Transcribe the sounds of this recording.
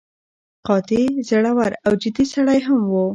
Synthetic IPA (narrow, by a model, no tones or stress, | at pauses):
qɑt̪ezaɽawaɾawd͡ʒɪd̪isaɽajɦamwu